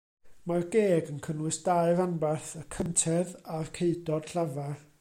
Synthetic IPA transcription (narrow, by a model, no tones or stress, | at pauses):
marɡeːɡənkʰənwɨsd̥aɨvanbarθəkʰəntʰɛðarkʰeɨdɔd̥ɬavar